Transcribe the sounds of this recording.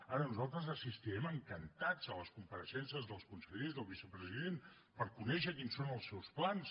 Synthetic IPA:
aɾənuzalˠt̪ɾəzəsist̪iɾɛməŋkənt̪ad͡zələskumpəɾəsɛnsəzðəlˠskunsəʎezðəlˠβisəpɾəziðen | pəɾkunɛʃəkinsonəlˠsɛwsplans

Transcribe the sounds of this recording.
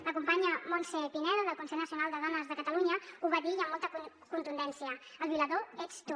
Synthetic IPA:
ləkumpaɲəmonsɛpinɛðoðəlˠkunsɛʎnəsiunalˠd̪əðɔnəzðəkət̪əluɲəuβaðijəmːɔlˠt̪ək | kunt̪und̪ɛnsiəəlˠβiləðoɛt͡st̪u

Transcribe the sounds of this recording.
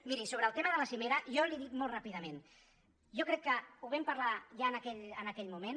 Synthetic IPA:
miɾisoβɾəːlˠt̪eməðələsimeɾəjɔliðikmɔlˠtrapiðəmẽn | ʒɔkɾɛkːəuβɛmpəɾlaʒaənəkɛʎənəkɛʎmumen

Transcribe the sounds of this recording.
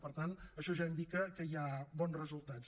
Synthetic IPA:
pəɾt̪anəʃɔʒaind̪ikəkəjabɔnzrəzulˠt̪at͡s

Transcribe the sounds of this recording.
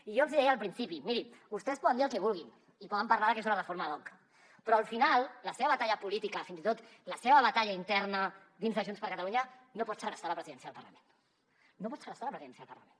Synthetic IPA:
iʒoənzðiɛjəlˠpɾinsipimiɾibust̪ɛspɔðənd̪iəlˠkɛβulˠɣ̞in | ipɔðəmparlaɾðəkɛzunərəfoɾməðɔŋkə | pɾɔəlˠfinalˠləseβəβat̪aʎəpulit̪ikəfinzit̪ot̪ləseβəβat̪aʎaint̪ɛɾnə | d̪inzðəʒunspəɾkət̪aluɲə | nopɔt̪sərəst̪aləpɾəziðɛnsjəðəlpərlə̰menː | opɔt̪sərəst̪aləpɾəziðɛnsjəðəlpɐrlə̰men

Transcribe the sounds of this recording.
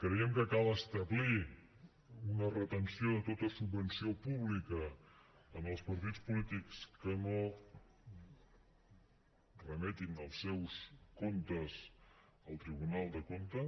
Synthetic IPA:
kɾəiəmkəkalˠəst̪əβli | unərət̪ənsioðət̪ot̪əsubbənsiopuβlikəː | nəlˠspəɾt̪it͡spulit̪ikskəno | rəmɛt̪inəlˠsːɛwskomt̪əz | əlˠt̪ɾiβunalˠd̪əkomt̪ə

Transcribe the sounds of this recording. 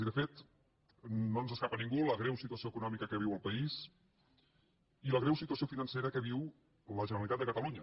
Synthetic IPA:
iðəfet̪ | nonzəskapənĩŋɡuləɣɾɛwsit̪uəsioəkunɔmikəkəβ̞iwəlˠpəis | iləɣɾɛwsit̪uəsiofinənseɾəkəβiw | ləʒənəɾəlit̪at̪d̪əkət̪əluɲə

